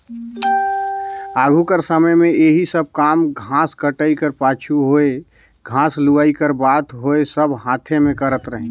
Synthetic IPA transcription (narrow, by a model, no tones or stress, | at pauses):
aːɡʱukəɾsəməjmẽeɦisəb̚kaːmɡʱãːskəʈəikəɾpaːt͡ʃʰuɦoe | ɡʱãːsluʋaːikəɾbaːt̪ɦoesəbɦãːt̪ʰemẽkəɾət̪ɾəɦĩ